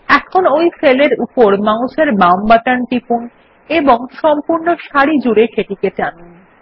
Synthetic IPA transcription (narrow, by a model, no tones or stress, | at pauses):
ɛkʰonojfeleɾupoɾmaw̃ʃeɾbambaʈanʈipun | eboŋʃɔmpuɾnoʃaɽid͡ʑuɾeʃeʈiked͡ʑanni